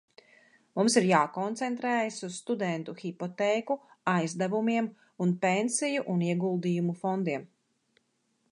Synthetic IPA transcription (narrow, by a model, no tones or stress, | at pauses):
mumsiɾjaːkɔnt̪sɛnt̪ɾɛːjasusst̪ud̪ɛnt̪uxipɔt̪ɛːkuajzd̪ævumiɛm | unpensijuʔuniɛɡulˠd̪iːjumufɔnd̪iɛm